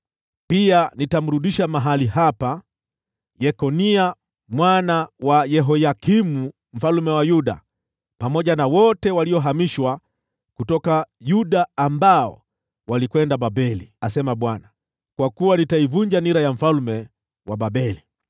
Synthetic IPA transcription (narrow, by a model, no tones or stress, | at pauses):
pianitam̩ɾuɗiʃamaɦalihapa | jɛkɔnia | mwanawajɛɦɔjakimu | m̩falmɛwajuɗa̰ | pamɔʄanawɔtɛwaliɔɦamiʃwa | kutɔkajuɗaːmbaɔ̰ | walikwɛndaɓaɓɛliasɛmaɓwana | kwakuwanitaivuɲd͡ʒaniɾajam̩falmɛ | waɓaɓɛli